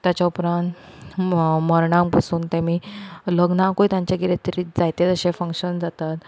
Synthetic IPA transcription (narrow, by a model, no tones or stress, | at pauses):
t̪jat͡ɕaupɾãnt̪ | məɾɳãmpasuːnt̪ẽmiːləɡnãkoit̪jãɲt͡ɕjaɡiɾet̪ɾiːd͡zajt̪et̪əɕẽfə̃ŋkɕənd͡zat̪at̪